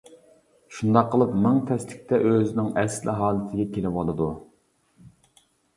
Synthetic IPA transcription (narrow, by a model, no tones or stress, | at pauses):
ʃund̪ɑqʰːəlˠɨpmɪŋt̪ʰɛslɪkʲt̪ʰɛʔøzɪnɪŋɛslʔɪ̰ɦɑːlˠɨt̪ʰɪɡʲɛkʲʰelɪpɑlˠɨd̪u